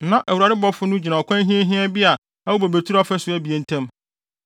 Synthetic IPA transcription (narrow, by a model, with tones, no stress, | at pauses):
nã˨ʔæ˨wu˨ɾa˨ɾɪ˦bɔ˦fʊ˦nʊ̃˦d͡ʑi˨nã˨ɔ˨kʷʰã˦ɦĩ˦e˦ɦĩ˦ɛ˦bi˦a˨ | a˦o˦bæ˨bæ˨tʰu˦ɾɔ˦fɛ˦sʊ˨˦æ˦bi˨e˨n̩˨˦tʰɛ̃˦m